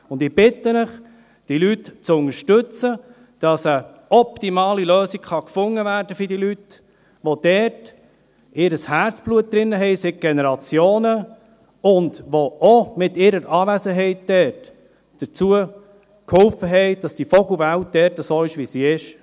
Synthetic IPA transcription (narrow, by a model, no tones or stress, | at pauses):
ʊndɪb̥ɪt̪ənəχ | d̥ilytt͡sʊŋəɾʃtɵt͡sə | d̥ɑsə | ɔp̚timɑːliløːsiɡkχɑkfʊŋːəvæːɾd̥əfɪdilyt | ʋod̥ɛːɾt | ɪɾəshæɾt͡sb̥luət̚d̪̥ɾɪnːəɦɛɪsɪk̚ɡ̥ɛnɛɾɑt͡sjoːnə | ʊndʋoʔomɪtɪɾəɾʔɑːvæzəɦɛɪtd̥ɛːt | d̥əɾt͡suə | khʊlfəɦɛɪd̥ɑsd̥ifɔɡʊvælt̚d̥ɛːɾtəsoːɪʃʋisiɪʃ